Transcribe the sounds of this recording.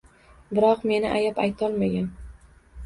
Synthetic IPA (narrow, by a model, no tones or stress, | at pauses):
bɪɾɒqme̞nɪʔajapajt̪ʰɒlˠmaɡʲan